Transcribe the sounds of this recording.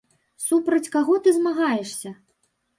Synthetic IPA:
supɾɐt͡sʲkaɣɔt̪ɨzmaɣajɛʂsʲɐ

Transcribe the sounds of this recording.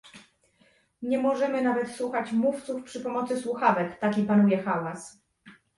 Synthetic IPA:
ɲɛmɔʐɛmɘnavɛt̪swuxat͡ɕmuft̪sufpʂɘpɔmɔt̪sɘswuxavɛk̪t̪akʲipanujɛxawas

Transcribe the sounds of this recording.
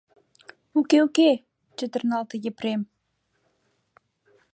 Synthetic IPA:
ukeuke | t͡ɕə̆t̪ə̆rnɑlt̪ɤ̆jĕprem

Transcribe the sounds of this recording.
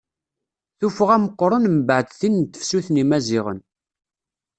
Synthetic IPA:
θufəʁæməqːɾˤənmbəʕəd̪θint̪ːə̥fsuθnimæziʁə̰n

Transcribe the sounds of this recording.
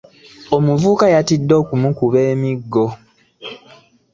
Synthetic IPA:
o̞muvuːkajatidːo̞ːkumukuβe̞ːmiɡːo

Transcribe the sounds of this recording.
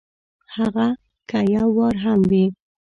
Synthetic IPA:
haɣa | kajawɑɾɦamwi

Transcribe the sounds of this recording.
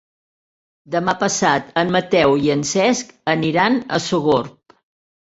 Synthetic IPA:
d̪əmapəsat̪ənmət̪ɛwiənsɛskəniɾanə̰suɣoɾp̚

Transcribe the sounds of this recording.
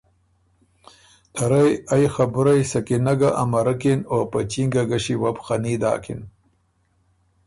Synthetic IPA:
t̪ʰaɾajajxabuɾajsakinaɡaʔamɐɾakinoːpat͡ʃiŋɡaɡaɕiwabxanid̪a̰ːkḭn

